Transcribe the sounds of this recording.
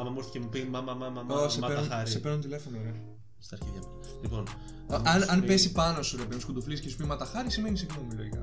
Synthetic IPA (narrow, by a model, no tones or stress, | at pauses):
ɐmɐmoɾcimupimɐmɐmɐmɐmoseɐeɾnuɾisepeɾnunt̪ile̞fo̞none | st̪ɐɾçɐjɐp | lipon | ɐnɐnpesipɐnosuɾɐpenskud̪ufliscesu̥pimɐt̪ɐxɐɾisime̞nisiɣno̞miloikɐ̰